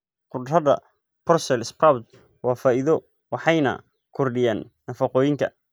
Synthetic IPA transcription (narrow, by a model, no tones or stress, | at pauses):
qʊdrɐðɐ̰ | pʰɔrsɛlɪspawd̪ | wɑːfaːʔiðɔ | wɑħɑjnɐ̰ | kʰɔrɖɪjaːnːɐfɑqɔːjɪŋkʰɐ̰